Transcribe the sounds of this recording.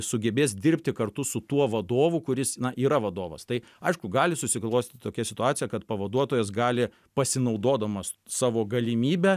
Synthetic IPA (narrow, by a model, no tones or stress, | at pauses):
sʊɡʲɛbʲeːsd̪ʲɪrʲpʲt̪ʲɪkɐrt̪ʊsʊt̪uɔʋɐd̪oːʋʊkʊɾʲɪsnɐʔiːɾɐʋɐd̪oːʋɐ̰st̪ɐɪ | ɐɪʃkʊɡɑːlʲɪsʊsʲɪklˠoːsʲt̪ʲːt̪ʲt̪oːkʲɛsʲɪt̪ʊɑːt̪t͡ssʲɪjɛkɐt̪pɐʋɐd̪uɔt̪oːjɛs̬ɡɑːlʲɪ | pɐsʲɪnɐʊd̪oːd̪ɐmɐs | sɑːʋoːɡɐlʲɪmʲiːbʲɛ